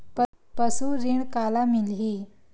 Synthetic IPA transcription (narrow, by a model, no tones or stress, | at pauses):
p | pəsuɾiɳkalamilɦi